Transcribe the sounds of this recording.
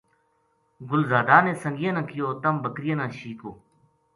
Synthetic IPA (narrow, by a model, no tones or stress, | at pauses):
ɡʊlzaːd̪aːnẽːsə̃ŋɡɪjə̃nãːkɪjoːt̪əmbəkɾɪjə̃nãːʃiːkoː